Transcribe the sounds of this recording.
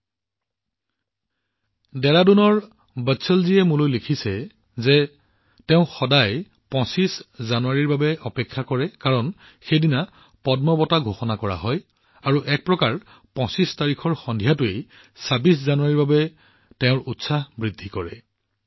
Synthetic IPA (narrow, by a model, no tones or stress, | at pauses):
dɛɹadunɔɹ | bətsɔlziɛmulojlikʰisɛ | zɛ | teʊ̃xɔdaj | pɔ̃siszanuaɹiɹbabɛʔɔpɛkʰːakɔɹɛkaɹɔn | xejdina | pɔdmɔbɔtaɡʱoxɔnakɔɹa̰ɦɔj | aɹuʔɛk̚pɹɔkaɹ | pɔ̃sistaɹikʰɔɹxɔndʱijatʊej | sabiszanuaɹiɹbabɛ | tɛʊ̃ɹutsabɹidʱːikɔɹɛ̰